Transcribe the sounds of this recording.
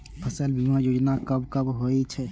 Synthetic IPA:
pʰəsəlbʱimãjoːd͡ʒnakəbkəbɦoːit͡ʃʰɛ

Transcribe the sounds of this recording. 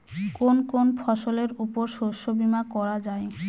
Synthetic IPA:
konkonpʰɔʃoleɾupoɾʃoʃobimakɔɾad͡ʑae

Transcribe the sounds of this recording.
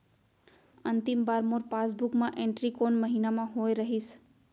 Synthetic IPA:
ənt̪ɪmbaːɾmoɾpasbukmãʔẽɳʈɾikoːnməɦiːnamãɦojɾəɦis

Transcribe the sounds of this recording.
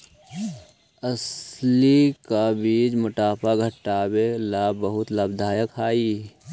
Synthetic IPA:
əslikabiːd͡ʒmʊʈaːpaɡʱəʈːaːbelaːbəɦʊt̪laːbd̪ʱaːjəkʰaːiː

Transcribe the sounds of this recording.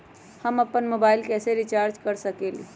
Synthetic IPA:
həməpːənmobailkɛseɾit͡ʃaɾd͡ʒkəɾsəkelḭ

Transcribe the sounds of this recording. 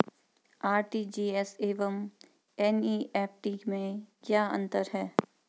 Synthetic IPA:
aːɾʈid͡ʒiːɛseːʋəm | ɛniːʔɛːp̚ʈiːkmẽkjaːɐ̰̃nt̪əɾɦɛː

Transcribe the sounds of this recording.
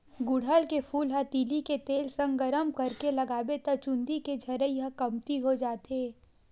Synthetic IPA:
ɡʊɽ̤əlkefʰuːlɦət̪iːliket̪eːlsɐ̃ŋɡəɾəmkɐɾkelɐɡaːbet̪ət͡ʃʊ̃nd̪iked͡ʒʱɐɾəiəkɐmt̪iɦod͡ʒaːt̪eː

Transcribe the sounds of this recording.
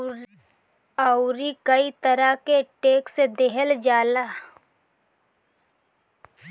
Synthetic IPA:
əʊɾikəit̪əɾakeʈeːksed̪eɦəld͡ʒaːlaː

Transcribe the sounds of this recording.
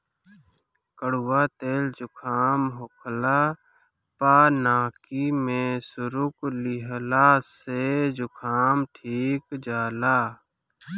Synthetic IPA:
kəɽʊwaːt̪eːld͡ʒʊkʰaːmɦʊkʰlaː | paːnaːkimẽsʊɾʊklɪɦlaːsed͡ʒʊkʰaːmʈʰiːkd͡ʒaːlaː

